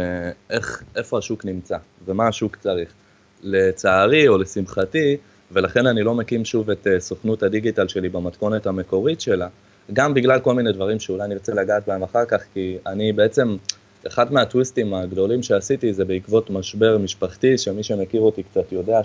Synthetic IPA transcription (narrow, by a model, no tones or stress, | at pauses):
ee̞χe̞fo̞aʃuknimt͡sa | ve̞maːʃukt͡saʁiχ | le̞t͡saːʁio̞le̞simχati | ve̞laχe̞nanilo̞me̞kimʃuve̞tesoχnuthadiɡitalʃe̞libamatko̞nethame̞ko̞ʁitʃe̞la | ɡambiɡlalko̞lmine̞dvaʁimʃeulajaniʁt͡se̞laɡaːt̚baemaχaʁkaχkianibe̞e̞t͡se̞m | eχadmeatwistimaɡdo̞limʃe̞asitizebeikvo̞tmaʃbe̞ʁmiʃpaχtiʃe̞miʃe̞me̞kiʁo̞tikt͡satjo̞dea